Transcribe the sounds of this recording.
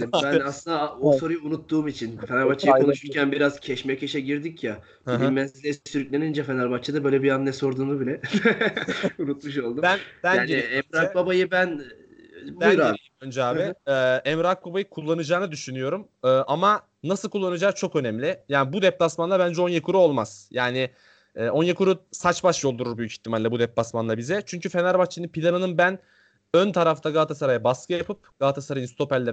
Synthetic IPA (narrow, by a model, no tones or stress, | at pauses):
bænaslˠɯnd̪aoso̞ɾujuunut̪ːuːmit͡ʃʰinfenaɾbat͡ʃʰːajkʰo̞nuʃuɾcænbiɾaz̥cʰɛʃmɛceʃɛɟiɾd̪icja | bilʲimɛzlɛsisyɾycʲlʲenind͡ʒɛfenaɾbat͡ʃt͡ʃʰːad̪abø̞jlʲɛbiannːɛso̞ɾd̪uːnubilʲɛ | unut̪̚muʃ̬o̞lˠd̪undænaːniiiɛmɾak̚babajɯbæn | bunj̪ɾaeijiønd͡ʒɛaːvɛɛmɾak̚babajɯkʰulˠːanɯd͡ʒaːnad̪yʃynyjo̞ɾum | ɯːʔama | nasɯlˠkʰulˠːanɯd͡ʒaːt͡ʃʰo̞kønɛmlʲɪjaːnibud̪ɛp̚d̪asmanlˠabænd͡ʒɛo̞njakʰuɾuo̞lˠmaz̥jaːnɪ | ɛːo̞njakuɾusat͡ʃbaʃjo̞lˠd̪uɾuɾbyjycʰi̥çt̪ʰːimalʲːɛbud̪ɛp̚basmanlˠabizɛt͡ʃʰyɲcʰyfe̞naɾbat͡ʃʰːinɯnpʰilʲanɯnɯnbæn | ønt̪ʰaɾaft̪ʰaɡalˠt̪ʰasaɾajabaskʰɯjapʰɯp̚ɡ̥alˠt̪ʰasaɾajɯnst̪o̞pɛlʲːɛ